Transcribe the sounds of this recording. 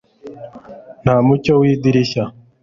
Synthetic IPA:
n̤aːmucowiːd̪iɾiɕa

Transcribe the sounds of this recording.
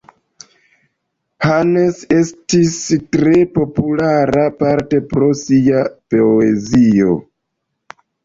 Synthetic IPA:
hane̞se̞stistɾe̞po̞pulaɾapaɾte̞pɾo̞siapoezio̞̰

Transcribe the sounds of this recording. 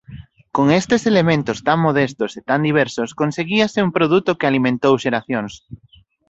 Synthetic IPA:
koŋest̪eselemẽnt̪ʊst̪aŋmoðest̪oset̪and̪iβ̞ɛɾsoskonseɣiasɪumpɾoðut̪okɪalimẽnt̪owʃeɾaθjoŋs

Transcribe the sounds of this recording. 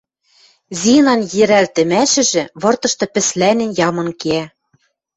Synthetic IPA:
zinɑnjɘ̆ɾælt̪ɘ̆mæʃɘ̆ʒɘ̆βɤ̆rt̪ɤ̆ʃt̪ɤ̆pɘ̆slænɘ̆njɑmɤ̆nkeæ

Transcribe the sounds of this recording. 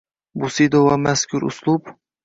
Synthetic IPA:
bʊsid̪ovamaskʲʰʊɾʊ̰slˠʊp

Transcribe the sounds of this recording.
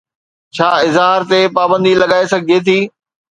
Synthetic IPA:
t͡ɕʰaːɪzɦaːɾt̪epaːbə̃nd̪ilɐɠaːesɐɡʱiet̪ʰiː

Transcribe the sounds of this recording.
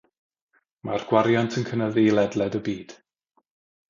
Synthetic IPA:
marɡ̥waɾjantʰənkʰənəðilˠɛdlˠɛdəbiːd̥

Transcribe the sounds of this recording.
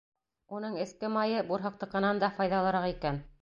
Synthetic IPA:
unɤɴɘ̆skɘmɑjɤbuɾɦɤ̆q̚t̪ɤ̆qɤ̆nɑnd̪ɑfɑjðɑlˠɤ̆ɾɑqikæn

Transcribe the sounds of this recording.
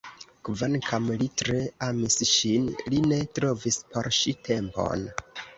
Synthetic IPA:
kvankʰamlitɾe̞amisʃinline̞tɾo̞vispo̞̰ɾʃitʰe̞mpo̞̰n

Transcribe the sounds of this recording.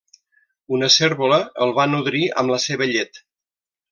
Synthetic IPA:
unəseɾβuləəlˠβanuðɾiə̰mləseβəʎet̪

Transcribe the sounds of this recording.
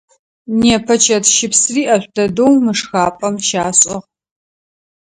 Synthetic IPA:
nieːpʰɐt͡ʃʰɐtʃɪpsriːʔɐɕʷdɐdowmɨʂxaːpʼɐmʃaːɕʼɐʁ

